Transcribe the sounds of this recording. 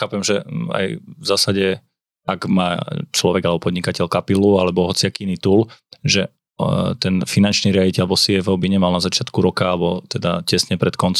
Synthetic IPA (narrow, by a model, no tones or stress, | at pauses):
xaːpɛmʒɛa̰jvzaːsaɟɛ | aɡmaːt͡ʃlɔʋɛɡalɛbɔpɔd̪ɲikacɛʎkapilualɛbɔɦɔt͡siakiinit̪uːlʒɛ | t̪ɛnfinant͡ʃniːɾɪaɟicɛlbɔsiɛvɛʊbiɲɛmalnazat͡ʃɪat̪kuɾɔkaalɛbɔt̪ɛd̪a̰cɛsɲɛpɾɛt̪kɔnt͡s